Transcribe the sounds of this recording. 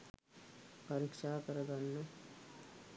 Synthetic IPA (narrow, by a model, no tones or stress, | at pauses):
pɐɾikʂaːkɐɾɐd̪anːɐ